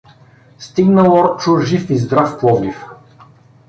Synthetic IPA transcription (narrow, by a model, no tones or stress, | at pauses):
st̪iɡnəlˠɔɾt͡ʃuɾʒifizd̪ɾafpˠɔɡlif